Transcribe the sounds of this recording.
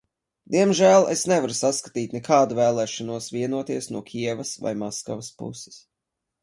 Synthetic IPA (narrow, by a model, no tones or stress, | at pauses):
d̪iɛmʒæːlˠesnɛvaɾusaskḁt̪iːt̪ʲnɛkʰaːd̪uvɛːlˠɛːʃanuɔsviɛnuɔt̪iɛsnuɔkʰʲiɛvɐsva̰jmɔskavaspṵsɪ̥s